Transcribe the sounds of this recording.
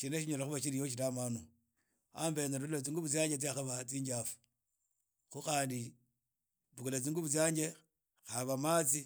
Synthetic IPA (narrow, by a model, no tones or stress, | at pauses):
ʃineʃiɲolaxuβaʃiɾijoʃ̬itamanu | ambenadulet͡siːŋɡuβut͡s̬jaːɲɟet͡s̬iaxaβat͡siːɲɟafu̥ | xuxaːndi | βukulet͡siːŋɡuβusjaːɲd͡ʒe | xaβamat͡si